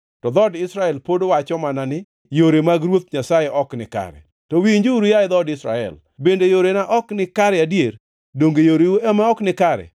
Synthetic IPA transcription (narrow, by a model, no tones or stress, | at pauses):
tɔd̪ɔdɪsɾaɛlpodowat͡ʃɔmananɪ | joɾemaɡɾwot̪̚ɲasajeʔɔknɪka̰ɾɛ̰ | tɔwiɲd͡ʒiuɾujaɪd̪ɔdɪsɾa̰ɛ̰l | bendejoɾenaʔɔknɪkaɾɛadjeɾ | doŋɡejoɾeuɛmɛɔknɪkaɾɛ̰